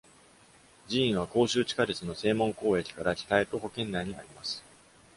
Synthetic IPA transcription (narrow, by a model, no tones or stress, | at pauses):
d͡ʑiĩɰ̃β̞ako̞ːɕɨːt͡ɕi̥kaɾet͡sɨno̞se̞ːmõ̞ŋko̞ːe̞kʲi̥kaɾaçʲi̥t̪aet̪o̞ɦo̞kẽ̞nːaiɲ̟ia̰ɾʲimasɨ̥